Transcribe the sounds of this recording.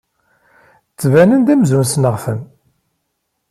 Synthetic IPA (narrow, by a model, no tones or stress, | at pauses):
t͡sːvænənd̪æmzunsnəʁfəm